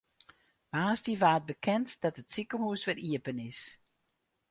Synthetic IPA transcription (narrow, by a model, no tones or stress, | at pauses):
maːstiʋaːt̚bəkʰɛntd̥ɑtətsikəhuəsʋɛɾiəpənɪs